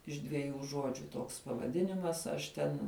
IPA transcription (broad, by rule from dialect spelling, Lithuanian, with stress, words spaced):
ɪʃ dʲʋʲɛˈjuː ˈʒuɔd͡ʒʲʊ ˈtoːks pɐʋɐˈdʲɪnʲɪmɐs ˈɐʃ tʲɛn